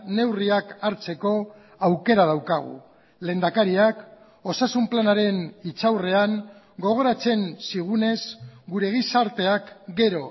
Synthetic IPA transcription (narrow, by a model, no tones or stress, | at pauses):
ne̞wriakaɾt͡se̞ko̞ | awke̞ɾað̞awkaɣ̞ṵ | le̞ːnd̪akaɾiak | o̞sasumplanaɾe̞nit͡sawre̞aŋ | ɡo̞ɣ̞o̞ɾat͡se̞nsiɣ̞une̞zɡuɾe̞ɣ̞isaɾt̪e̞akɡe̞ɾo̞